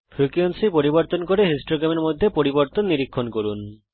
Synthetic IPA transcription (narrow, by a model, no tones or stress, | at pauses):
pʰɾukionsipoɾiboɾt̪onkoɾeɦisʈoɡɾameɾmod̪ʱːepoɾiboɾt̪onːiɾikʰːonkoɾun